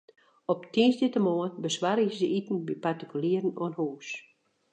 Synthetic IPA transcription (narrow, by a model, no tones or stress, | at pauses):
ɔptʰinsditəmoənbəswaɾɪzəʔitn̩bipartikyliərn̩oənhuːs